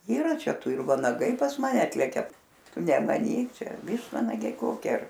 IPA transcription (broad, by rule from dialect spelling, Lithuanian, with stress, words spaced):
iːˈrɐ ˈt͡ʃʲɛ ˈtʊ ɪr ʋɐnɐˈɡɐɪ pɐs mɐˈnʲɛ ˈɑːtʲlʲɛkʲɛ ˈtʊ nʲɛmɐˈnʲiːk ˈt͡ʃʲɛ ˈʋʲiːʃtʋɐnɐɡʲɛɪ ˈkoːkʲɪ ɐr